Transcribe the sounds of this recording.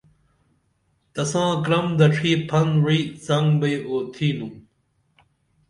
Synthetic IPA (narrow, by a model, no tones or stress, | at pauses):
t̪ɐsãːkɾɐmd̪ɐʈ͡ʂʰiːpʰɐnwizɐŋɡbɐjoːt̪ʰiːnũ